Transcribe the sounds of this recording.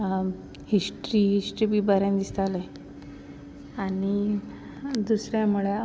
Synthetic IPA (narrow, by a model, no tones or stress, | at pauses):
hisʈɾiːɦisʈɾiːbibaɾjãnd̪ist̪ale | aɽ̃i | d̪usɾjamuɭe